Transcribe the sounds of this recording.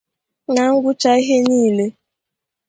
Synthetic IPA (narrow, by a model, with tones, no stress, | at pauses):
ŋa˨ŋ̩˦ɡʷʊ˦t͡ʃa˨i˦ɦe˦niː˦˨le˦